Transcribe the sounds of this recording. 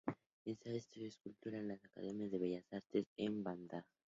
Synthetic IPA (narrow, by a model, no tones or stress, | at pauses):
ensaest̪oɾeskult̪uɾanlasaka̰ðemjazðeβeʝasaɾt̪esemband̪a